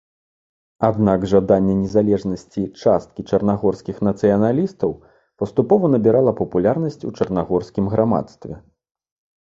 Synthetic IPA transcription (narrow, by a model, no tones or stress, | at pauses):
ad̪naɡʐad̪anʲːɛnʲɛzalʲɛʐnɐsʲt͡sʲit͡ʂast̪̚kʲit͡ʂɐrnaɣɔrskʲixnɐt̪sɨjɐnalʲist̪ɐw | pɐst̪upɔvɐnɐbʲiɾalˠɐpɐpulʲarnɐsʲt͡sʲut͡ʂɐrnaɣɔrsʲkʲimɣɾama̰t̪st̪vʲɛ